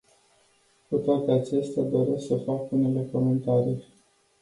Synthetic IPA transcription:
kut̪oat̪e̞at͡ʃe̞st̪ad̪o̞ɾe̞sksəfakune̞le̞ko̞me̞nt̪aɾij

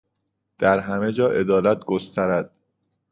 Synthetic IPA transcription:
d̪̥æɾɦæme̞d͡ʒɒːʔe̞d̪ɒːlæt̪̚ʰɡost̪ʰæɾæd̪̥̚

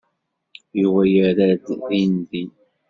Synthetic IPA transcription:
juwæjəɾæd̪ðinði

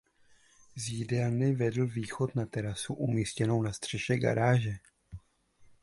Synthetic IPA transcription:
ziːdɛlnɪvɛdl̩viːxo̞t̪nat̪ɛɾasuʔumiːscɛno̞wnast̪r̝̥ɛʃɛɡa̰ɾaːʒɛ

